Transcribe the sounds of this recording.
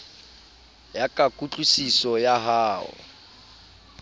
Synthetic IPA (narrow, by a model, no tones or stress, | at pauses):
jakʼakʼut͡ɬʼusisɔjaɦaːʊ̰